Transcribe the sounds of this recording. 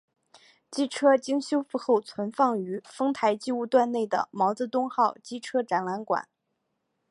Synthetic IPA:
t͡ɕi˥˩ʈ͡ʂʰɤ˥t͡ɕi˥ŋɕjo˥ʊfu˥˧xo˥˩ʊt͡sʰwə˧˥nfɑ˥˩ŋy˧˥fɤ˥ŋt̪ʰa˧˥ɪt͡ɕi˥˧u˥˧t̪wa˥˧nne˥˩ɪd̪ə̰˩mɑ˧˥ʊt͡sɤ˧˥t̪ʊ˥ŋxɑ˥˩ʊt͡ɕi˥˩ʈ͡ʂʰɤ˥ʈ͡ʂa˧˥nla˧˥nkwa̰˨˩˦n

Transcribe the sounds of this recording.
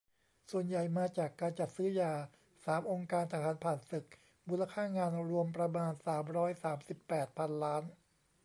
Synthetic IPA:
su˨˩ənja˨˩jmaː˧t͡ɕaː˨˩kːaː˧nt͡ɕa˨˩t̪̚sɯː˦˥jaː˧˩ | saː˩˦mʔo˧ŋkaː˧nt̪ʰaː˧˩kʰaː˨˥npʰaː˨˩nsɯ˨˩k̚ | muː˧˥la˧kʰaː˥˩ŋaː˧nɾu˧əmpɾa˧maː˧nsaː˩˦mɾɔː˦˥jsaː˩˦msi˨˩pːɛː˨˩t̪̚pʰa˧nlaː˦˥n

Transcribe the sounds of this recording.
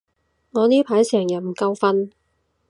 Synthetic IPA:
ŋɔː˨˧niː˥pʰaː˨˥jsɛː˨˩ŋjɐ˨˩m̩˨˩kɐ˧wfɐ˧n

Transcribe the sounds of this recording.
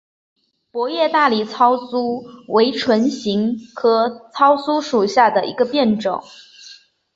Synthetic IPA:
pwɔ˧˥jɛ˥˧t̪a˥˩li˨˩t͡sʰɑ˥ʊsu˥we˧˥ɪʈ͡ʂʰwə˧˥nɕi˧˥ŋkʰɤ˧˥t͡sʰɑ˥ʊsu˥ʂu˨˩ɕja˥˩d̪ə˩ʔḭ˧˥ɡə˧pjɛ˥˩nʈ͡ʂɤ˨˩˦ŋ

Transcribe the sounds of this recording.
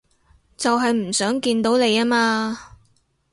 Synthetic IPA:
t͡sɐ˨wɦɐ˨jm̩˨˩sœː˨˥ŋkiː˧nt̪o˨˥wne˨˧jaː˥maː˧

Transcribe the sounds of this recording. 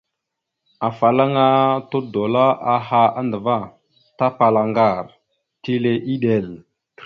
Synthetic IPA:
a˨fa˨la˦ŋa˦to˦do˨la˦a˨ɦa˦a˦ndə˨va˦ | ta˦pa˨la˨ŋɡa˦˨ɾ | ti˦le˨ʔi˦ɗe˨l

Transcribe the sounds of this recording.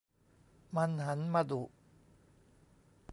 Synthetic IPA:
ma˧nɦa˩˦nma˧d̪u˨˩ʔ

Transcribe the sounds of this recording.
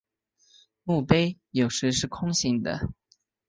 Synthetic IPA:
mu˥˩pe˥ɪjo˨˩ʊʂɻ̩˧˥ʂɻ̩˥˩kʰʊ˥ŋɕi˧˥ŋd̪ə̰˧˨

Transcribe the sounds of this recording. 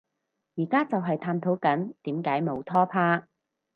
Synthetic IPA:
jiː˨˩kaː˥t͡sɐ˨wɦɐ˨jt̪ʰaː˧mt̪ʰo˨˥wkɐ˨˥nt̪iː˨˥mkaː˨˥jmo˨˧wt̪ʰɔː˥pʰaː˥

